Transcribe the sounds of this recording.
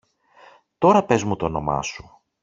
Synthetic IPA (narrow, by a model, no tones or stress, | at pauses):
t̪o̞ɾɐpe̞zmut̪ono̞mɐ̰su̥